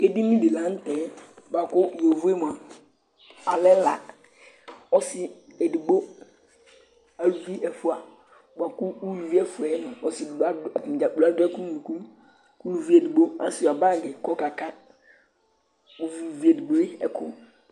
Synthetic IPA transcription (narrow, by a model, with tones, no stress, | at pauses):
e˨di˦nĩ˦bi˨lã˨˦n̩˦tɛ˨˦ba˨kʊ˦˨o˨vu˦e˦m˨a˨ | a˨lɛ˦la̰˨ | ɔ˦sɪ˨ɛ˨di˨ɡ͡bo˦ | a˨ɾu˨vi˦ʔɛ˨fʊ˨a˨ | ba˨kʊ˦u˦lu˨vi˦ɛ˨fʊ˨ɛ˨˦nʊ̃˨ɔ˨˦sɪ˨da˦˨m˨d͡ʒa˨˦u˨la˦dʊ˦ɛ˦kũ˦ũ˨ku˦ | ku˦lu˨vi˦ɛ˨di˨ɡ͡bo˦ã˦sɪ˨a˨ba˦˨ɡɪ˨kɔ˦ka˨kʰa˦ | bo˨vi˨vi˦ɛ˨di˨ɡ͡bo˦ɪ˦ɛ˨kʰʊ̰˦